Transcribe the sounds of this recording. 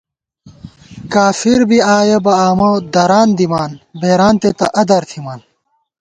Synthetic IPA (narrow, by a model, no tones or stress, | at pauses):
kaːfiɾbiaːjebɐaːmod̪ɐɾaːnd̪imaːnbeːɾaːnt̪et̪ɐʔɐd̪ɐɾt̪ʰimaːn